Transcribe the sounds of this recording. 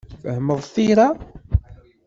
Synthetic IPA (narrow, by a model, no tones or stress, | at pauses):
fəhəməðˤθiɾa